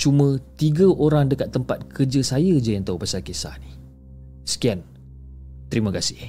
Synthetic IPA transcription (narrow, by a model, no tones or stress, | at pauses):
t͡ʃumə̃t̪iɡaʔoɾaŋdəkat̪ːəmpat̪̚kʰərd͡ʒəsajəd͡ʒajant̪awpasalkesa̰hni | sə̥kian | t̪əɾimə̃kasɪh